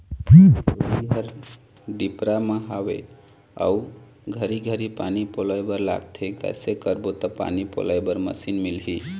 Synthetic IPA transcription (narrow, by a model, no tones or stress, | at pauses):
biɦəɾ | ɖipɾaməɦawḛ | a̰u | ɡʱəɾiɡʱəɾipanipolajbəɾla̰ɡ̚t̪ʰekə̰sekəɾbot̪əpa̰nipo̰lajbəɾmə̰sinmilɦi